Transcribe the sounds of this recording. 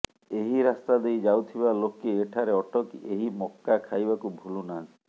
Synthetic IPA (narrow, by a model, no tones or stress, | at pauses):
eɦiɾast̪ad̪ejd͡ʒawt̪ʰibalokeeʈʰaɾeɔʈɔkeɦimɔkːakʰajbakubʱulunan